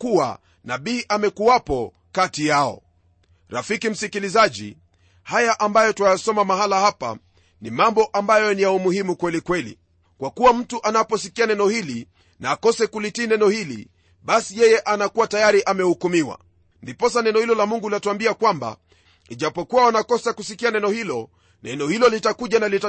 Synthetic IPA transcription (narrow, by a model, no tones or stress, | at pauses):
kuwa̰ | naɓiːʔamɛkuwapɔ | katijaɔ̰ | ɾafikim̩sikilizaʄḭ | hajaʔambajɔtuwajasɔmamahalahapa̰ | nimambɔʔambajɔnijaumuhimukwɛlikwɛlḭ | kwakuwam̩tuʔanapɔsikianɛnɔhili | naːkɔsɛkulitiːnɛnɔhilḭ | ɓasijɛjɛʔanakuwatajaɾiʔamɛhukumiwa̰ | ndipɔsanɛnɔhilɔlamuŋɡulatuambiakwamba̰ | iʄapɔkuwawanakɔsakusikianɛnɔhilɔ | nɛnɔhilɔlitakuʄanalita